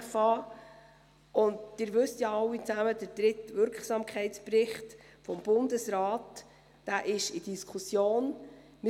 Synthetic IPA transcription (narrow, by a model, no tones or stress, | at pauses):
fɑː | ʊnddɪːɾʋɵstjɑɑwːit͡sæməd̥əɾd̥ɾɪtvʏɾkχsɑːmkʰχɛɪtsprɪχtfɔmb̥ʊndəsɾɑːtː | æːʔɪʃid̥iskʰusjoːn | mɪ